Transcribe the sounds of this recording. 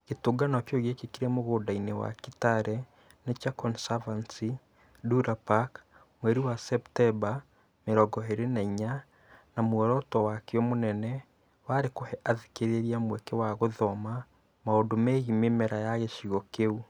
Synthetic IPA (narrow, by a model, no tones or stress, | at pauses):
ɣetoɡanɔkjoɣekekiɾɛmoɣodainewa̰kitaɾɛ | net͡ʃakɔnsavansi | duɾapak | mwɛɾiwasɛptɛba | meɾɔɡɔɦeɾenaiɲa | namoɔɾɔtɔwakeɔmonɛnɛ | waɾekohɛʔaðekeɾeɾiamwɛkɛwaɣoðɔma | maodomɛɣimemɛɾajaɣeʃiɣɔkeu